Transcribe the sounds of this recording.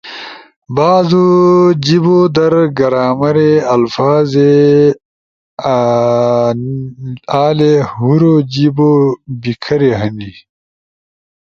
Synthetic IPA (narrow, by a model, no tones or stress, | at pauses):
baːzod͡ʑibod̪ɐɾɡɐɾaːmɐɾeɐlfaːze | aːlehuɾod͡ʑibobikʰɐɾeɦɐni